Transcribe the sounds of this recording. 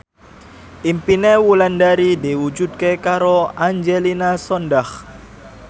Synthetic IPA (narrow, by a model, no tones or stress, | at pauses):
ʔimpinewulandaɾidiwud͡ʒud̪̚kekaɾoaɲd͡ʒelinasɔndah